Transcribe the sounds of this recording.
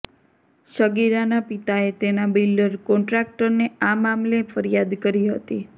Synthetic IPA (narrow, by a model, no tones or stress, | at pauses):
ʃəɡiɾanapit̪aet̪enabilɖəɾkɔɳʈɾak̚ʈəɾneamamlefəɾijad̪kəɾiɦət̪i